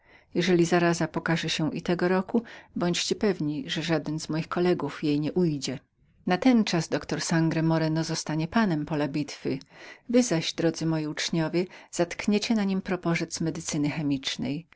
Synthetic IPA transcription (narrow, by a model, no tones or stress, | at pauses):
jɛʐɛlʲizaɾazapɔkaʐɛɕɛʔḭt̪ɛɡɔɾɔkubɔɲt͡ɕt͡ɕɛpɛvɲiʐɛʐad̪ɛnzmɔjixkɔlɛɡufjejɲɛʔujd͡ʑɛ | nat̪ɛnt͡ʂazd̪ɔkt̪ɔɾsaŋɡɾɛmɔɾɛnɔzɔst̪aɲɛpanɛmpɔlabʲit̪fɘvɘzaʑd̪ɾɔd̪zɘmɔjiut͡ʂɲɔvʲjɛz̥at̪kɲɛt͡ɕɛnaɲimpɾɔpɔʐɛt̪smɛd̪ɘt̪sɘnɘxɛmʲit͡ʂnɛ̰j